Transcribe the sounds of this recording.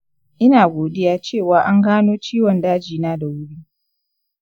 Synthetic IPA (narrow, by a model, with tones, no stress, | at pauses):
ʔɪ˦naː˨ɡʷoː˨dɪ˦jaː˦t͡ʃeː˦˨waː˨˦ʔa˦ŋɡaː˦noː˦t͡ʃiː˦wɔ˨ndaː˦d͡ʒiː˨naː˦da˨wʊ˦ɽiː˦